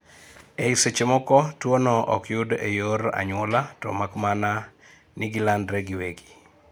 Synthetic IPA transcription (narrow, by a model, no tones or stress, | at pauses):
eiset͡ʃemɔkɔtwonɔɔkjʊdḛjoɾa̰ɲwɔlatɔ̰makmana | nɪɡilandɾɛɡiweɡi̥